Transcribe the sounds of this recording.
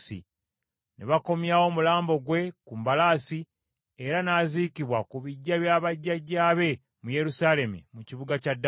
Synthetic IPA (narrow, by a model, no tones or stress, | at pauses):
sḭ | neβako̞mjaːwo̞mulaːmbo̞ɡwe̞kumbalaːsi | e̞ɾanaːzikiβwakuβiɟːaβjaːβaɟːaɟːaːβe̞ | muje̞ɾusaːle̞mḭmuciβuɡacadː